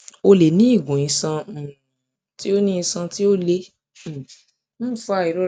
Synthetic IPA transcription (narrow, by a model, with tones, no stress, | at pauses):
o˧le˨nĩ˦i˦˨ɡũ˨ĩ˧sã˧˨ | ti˦o˦nĩ˦ĩ˧sã˧ti˦o˦le˧˨ | m̩˦˨fu˧˦a˨i˨ɾo˦